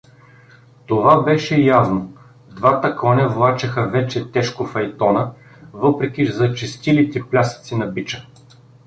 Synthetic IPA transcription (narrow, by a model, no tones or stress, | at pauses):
t̪ovabɛʃɛjavno | d̪vat̪əkɔnʲɐvlˠat͡ʃɛxəvɛt͡ʃɛt̪ɛʃkofɐjt̪ɔnə | vɤpɾɛkʲizɐt͡ʃɛst̪ilit̪ɛplʲasə̥t̪sinɐbit͡ʃə